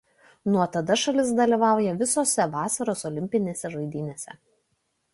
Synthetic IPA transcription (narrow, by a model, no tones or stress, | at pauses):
nuɔt̪ɐd̪ɐʃɐlʲɪs̬d̪ɐlʲiˑʋɑˑʊjɛʋʲɪsoːsʲɛʋɑːsɐɾoːsɔlʲɪmʲpʲɪnʲeːsʲɛʒɐɪd̪ʲɪnʲeːsʲɛ̰